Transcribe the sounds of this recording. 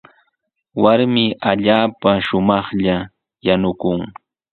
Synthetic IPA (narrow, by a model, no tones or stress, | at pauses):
waɾmɪʔaʎaːpaʃʊmɑχʎa | janʊkʊŋ